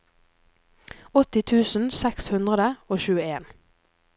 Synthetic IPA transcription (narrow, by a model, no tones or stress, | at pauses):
ɔt̪ɪt̪ʰʉːsn̩sɛkshʉnd̪ʁəd̪əoːʃʉːəeːn